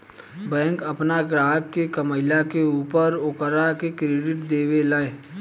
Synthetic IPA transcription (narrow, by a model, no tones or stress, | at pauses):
bɛ̃ːŋkəpnaɡɾaːɦəkːekəməɪlakeuːpəɾʊkəɾakekɾeɖɪʈd̪eːwelaːe